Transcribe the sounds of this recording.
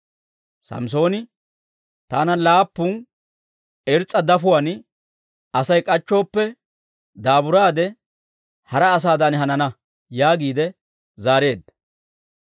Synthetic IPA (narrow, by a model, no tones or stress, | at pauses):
sɐ̰ms̬o̞ːnɪ | t̪a̰ːnɐlaːpːʊn | ɛɾt͡sʼːɐd̪ɐfʊwan | ɐsɐjkʼɐt͡ʃːo̞ːpːɛ | d̪aːbʊɾaːd̪ɛ | hɐɾɐːs̬aːd̪ɐnhɐnɐnɐ | jaːɡiːd̪ɛ | zaːɾe̞ːd̪ːɐ̥